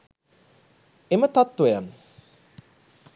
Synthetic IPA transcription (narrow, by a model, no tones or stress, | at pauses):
emət̪at̪ːʋejanː